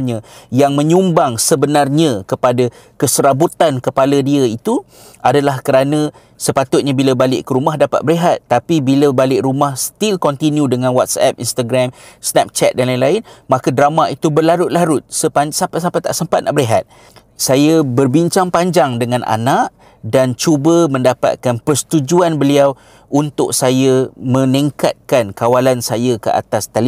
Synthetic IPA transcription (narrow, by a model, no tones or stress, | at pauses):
ɲãjaŋmə̃ɲumbaŋsəbənarɲãkəpada | kəsəɾabut̪ankəpaladiəit̪u | ʔadalahkəɾanə̃ | səpat̪ʊt̪̚ɲabiləbalɪʔkəɾumaɦdapa̰t̪̚bəɾiɦat̪̚ːapibiləbalɪʔɾumahst̪ilkɔnt̪injũdəŋãnwat̪̚sɛ̰p̚ḭnst̪aɡɾamsnɛp̚t͡ʃɛt̪̚danlainlaɪnmãkədɾamaʔit̪ubərlaɾʊt̪̚laɾʊt̪̚səpasapasampat̪a̰ʔsəmpat̪̚na̰ʔbəɾiɦat̪̚ | sajəbərbiɲt͡ʃaŋpaɲd͡ʒaŋdəŋãnʔa̰naʔ | dant͡ʃubəmə̃ndapa̰t̪̚kanpərsə̥t̪ud͡ʒuanbəliaw | ʔunt̪ʊk̚sajəmə̃niŋka̰t̪̚kankawalansajakəʔa̰t̪ast̪ali